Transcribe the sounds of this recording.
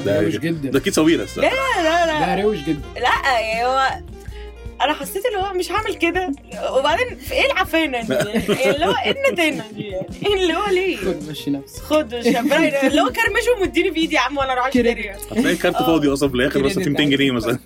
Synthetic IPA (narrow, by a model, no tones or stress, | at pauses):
d̪æeɡɡed̪ːd̪ækiːd̪sˤæwiːlæ̰sːæ̰ælælæɾewʃɡed̪ːælæʔhowːæ | ʔænæħɑsˤːeːt̪elːihowːæmeʃʕaːmelked̪æ | webaʕd̪eːnfiʔeːlʕafeːnnlːowːæʔednːæt̪en | nlːihowːæliːmʃnæ | xod̪eæbælːhowækæɾmeʃomed̪ːiːnibiːd̪iʕamːwælːæʔɾˤɑʕeːeɾi | ænækæɾt̪efɑːd̪iʔɑsˤɑfelʔæːxeɾmæsːæfiːmt̪eŋɡenejːæmæsælæ